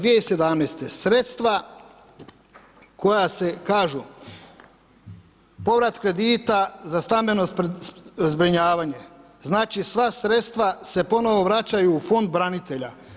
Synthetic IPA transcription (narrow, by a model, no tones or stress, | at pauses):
ʋijeise̞d̪amneːst̪esɾe̞t̪st̪ʋa | ko̞jase̞kaːʒu | po̞ʋɾat̪kɾe̞d̪iːt̪azast̪ambeno̞ | zbɾiɲaːʋaɲe̞ | znaːt͡ʃisʋasɾe̞t̪st̪ʋase̞po̞no̞ʋo̞ʋɾat͡ɕajuːfo̞nd̪̚bɾanit̪e̞ʎa̰